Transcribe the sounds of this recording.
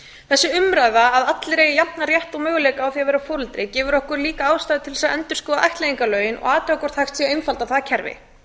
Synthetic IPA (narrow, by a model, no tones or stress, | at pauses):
θɛsːɪʏmɾaðvaːðat̪lɪɾeːjɪjap̪naɾjɛht̪ɔɣmœːɣʏleːjkaawθiavɛɾafoːɾʏlt̪ɾɪcɛːvʏɾɔhkʏɾliːkaaːwst̪ajðɪt̪ʰɪlɛsaɛnt̪ʏ̥skɔːðaʔajht̪leðiŋkalœːɥjɪnʔɔ̰ɣaːt̪ɛɔkɔɾ̥θaxst̪siejnfalt̪awθaðacʰɛɾvɪ̰